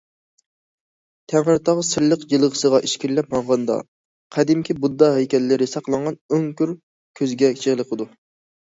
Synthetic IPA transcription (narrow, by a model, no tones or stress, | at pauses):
t̪ʰæŋʁəɾt̪ʰɑʁəsɨɾlˠəqjɨlˠʁə̥səʁɑʔiʃkʲiɾlɛpmɑɴʁɑnd̪ɑ̰ | qʰæd̪ɪmkʲibud̪ːɑɦɛjkʲʰɛlːɪɾɪsɑqlˠɑɴʁɑnøŋkʲyɾ | kʲʰøzɡʲɛt͡ʃʰeʁlˠəqʰəd̪u